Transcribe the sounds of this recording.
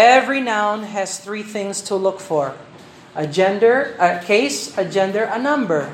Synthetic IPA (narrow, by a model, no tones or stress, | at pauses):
ɛvɹinãʊ̃nɨz̥θɹiθɪ̃ŋstʰəlʊkfɔɹ | ʔəd͡ʒɛ̃ndə˞əkʰeɪsɨd͡ʒɛ̃ndə˞ənʌ̃mbə˞